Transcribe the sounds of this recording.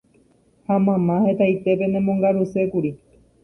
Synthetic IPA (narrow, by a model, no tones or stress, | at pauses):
hamãmãhe̞t̪ajt̪e̞pe̞nẽmõŋɡaɾuse̞kuɾi